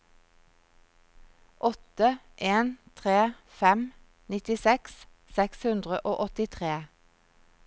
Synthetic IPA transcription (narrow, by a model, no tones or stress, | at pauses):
ʔɔt̪ə | ʔeːnt̪ʰʁeː | fɛm | nɪt̪ɪsɛks | sɛkshʉnd̪ʁəʔoːʔɔt̪ɪt̪ʰʁeː